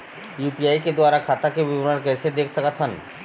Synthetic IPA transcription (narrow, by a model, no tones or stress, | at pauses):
jupiajked̪oaɾakʰat̪akebibonaɾkesʰed̪ek̚ʰt̪ʰakat̪ʰan